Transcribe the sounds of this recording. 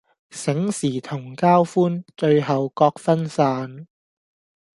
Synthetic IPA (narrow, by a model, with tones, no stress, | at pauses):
sɪ˨˥ŋsiː˨˩t̪ʰʊ˨˩ŋkaː˥wfuː˥nt͡ʃɵ˧ɥɦɐ˨wkɔː˧k̚fɐ˥nsaː˧n